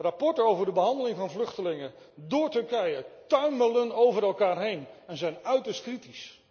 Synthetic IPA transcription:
rapɔɹtəowvəɹdəbəɦɑndəlɪŋvɑnvlɵχtəlɪŋə | dʊːɹtɵɹkɛjətœɥmələnowvəɾɛlˠkaːɹɦejnɛnzɛjnœɥtəɹstkritis

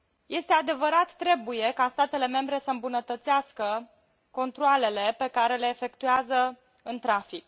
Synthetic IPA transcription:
jʔe̞st̪e̞ad̪e̞vəɾat̪ːɾe̞buje̞kast̪at̪e̞le̞me̞mbɾe̞səɨmbunət̪ət̪seaskə | ko̞nt̪ɾoale̞le̞pe̞kaɾe̞le̞ːfe̞kt̪uazə | ɨnt̪ɾafik̚

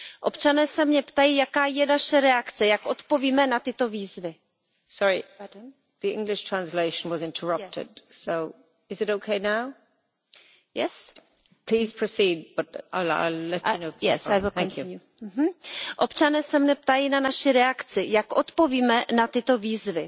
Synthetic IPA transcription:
ʔopt͡ʃanɛːsɛmɲɛpt̪ajiːjakaːjɛnaʃɛɾɛakt͡sɛjakʔo̞t̪po̞viːmɛnat̪ɪt̪o̞viːzvɪ | sɔɹi | ðiɪ̰̃ŋɡlɪʃtʰɹ̥ãnsleɪʃə̃n̩wɒzɪ̃ntʰəɹʌp̚tʰɪ̰d̥soʊ | ɪzɪɾoʊkʰeɪnaʊ | jɛ̰s | pʰl̥iːz̥pʰɹ̥osiːd̚b̥ʌɾaɪa̰ɪlɛt͡ʃənoʊjɛsajvɪlθæ̃ŋkʰju | ɦm̩ʔopt͡ʃanɛːsɛmɲɛp̚t̪ajinanaʃɪɾɛakt͡sɪjakʔot̪po̞viːmɛnat̪ɪt̪o̞viːzvɪ

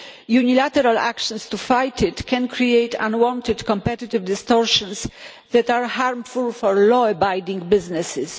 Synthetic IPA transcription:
junilat̪ɛɾala̰kʃɔ̃nst̪ufajt̪ʰɪtkʰɛ̃nkʰɾiejt̪ã̰nwɔ̃nt̪ɪd̪kɔ̃mpɛt̪it̪ɪvd̪ɪst̪ɔɾʃɔ̃ns | ðɛt̪aɾhaɾmfulfɔɾlɔəbajd̪ĩŋɡbɪznɛsɪs

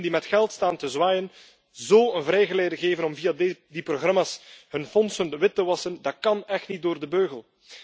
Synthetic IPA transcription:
ndimɛtxɛlˠtstaːntəzwaːjən | zoːənvrɛjɣəleːdəɣeːvənɔmvijadiproɣrɑmaːshɵnfɔnsənəʋɪtːəʋɑsəndɑt̚kɑnɛxtnit̚doːrdəbøːɣəlˠ

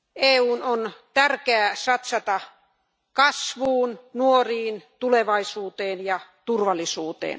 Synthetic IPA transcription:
eːuːnont̪ærkeæːsɑt̪sɑt̪ɑ | kɑsʋuːnnuoriːnt̪uleʋɑisuːt̪eːnjɑt̪urʋɑlːisuːt̪ḛːn

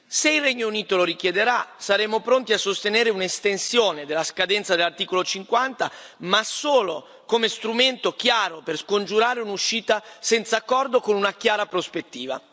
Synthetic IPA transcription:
seilrɛɲːouniːt̪oloɾikjed̪eɾasaɾemopɾont̪iasːost̪eneːɾeunest̪ensjoːned̪elːaskad̪ɛnt̪sad̪elːart̪iːkolot͡ʃiŋkwant̪a | masoːlo | komest̪ɾument̪ok̟jaːɾoperskond͡ʒuɾaːɾeunuʃiːt̪asɛnt̪saːkːɔrd̪okonunakjaːɾapɾospet̪ːiːva̰

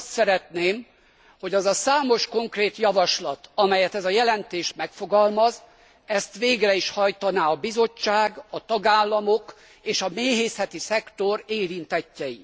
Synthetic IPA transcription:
st̪sɛɾɛt̪neːm | ho̞ɟɛzɒsaːmo̞ʃko̞ŋkreːt̪jɒvɒʃlɒt̪ɒmɛjɛt̪ɛzɒjɛlɛnt̪eːʃt̪mɛkfo̞ɡɒlmɒz | ɛst̪ʋeːɡrɛiʃhɒjt̪ɒnaːɒbizo̞t͡ʃːaːɡɒt̪ɒɡaːlːɒmok | eːʃɒmeːɦeːsɛt̪isɛkt̪o̞ɾeːɾint̪ɛcːɛjḭ

